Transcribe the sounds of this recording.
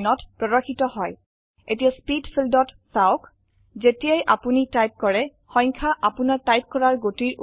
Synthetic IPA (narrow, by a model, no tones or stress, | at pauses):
nɔtpɹɔɹɔkʰːitɔhɔj | etijaspidpʰildɔt | saʊk | zetijajʔapunitajp̚kɔɹɛ | xɔ̃j̃ŋkʰaʔapunaɹtajp̚kɔɹaɹɡotiɹ